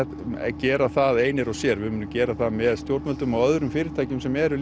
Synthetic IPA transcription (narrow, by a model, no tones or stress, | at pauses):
cɛːɾaθaðeːjnɪɾɔsjɛɾvɪmʏnːʏcɛːɾaθaðmɛðst̪jowɾt̪mɛlt̪ʏmawœðɾʏmfɪːɾɪɾ̥t̪ʰaːjcɪmsɛmɛɾʏl